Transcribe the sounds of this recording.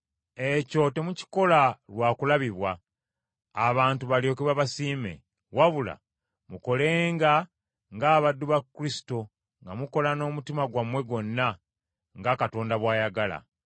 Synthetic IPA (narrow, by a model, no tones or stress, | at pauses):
e̞co̞te̞muci̥ko̞lalwaːkulaβiβwaː | βaːntuβaljo̞kuβaβasiːme̞̰ | waβula̰ | muko̞le̞ːŋɡa | ŋɡaːβadːuβakːuɾisi̥to | ŋɡamuko̞lano̞ːmutimaɡwamwe̞ɡo̞nːa | ŋɡakato̞ːndaβwaːjaɡala̰